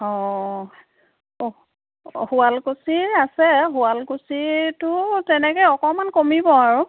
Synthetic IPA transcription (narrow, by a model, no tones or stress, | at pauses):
ɔ̃ | hualkusiɹasɛɦualkusitʊtɛnɛkɔjɔkɔmankomibɔaɹʊ